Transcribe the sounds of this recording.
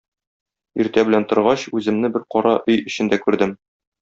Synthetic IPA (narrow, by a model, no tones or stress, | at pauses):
iɾt̪æbɘ̆lænt̪ŏɾʁɑɕʉzɘ̆mnɘbɘɾqɒɾɑʔɵjɘ̆ɕɘ̆nd̪ækʉɾd̪ɘm